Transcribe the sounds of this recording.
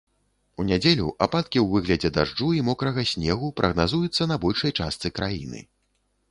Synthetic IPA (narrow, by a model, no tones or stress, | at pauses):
unʲad͡zʲelʲṵʔapat̪̚kʲiwvɨɣlʲɐd͡zʲɛd̪aʐd͡ʐuimɔkɾɐɣɐsʲnʲɛɣupɾʔɐɣnazujut̪sːɐnɐbɔlʲʂɐjt͡ʂast̪sɨkɾʔajḭnɨ̰